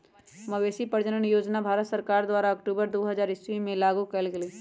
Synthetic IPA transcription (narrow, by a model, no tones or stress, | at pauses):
məʋeːsipəɾd͡ʒənənjoːd͡ʒnabʱaːɾət̪səɾkaːɾd̪waːɾaɐkʈuːbəɾd̪oːɦəzaːɾɪswimẽlaːɡukɛlɡeli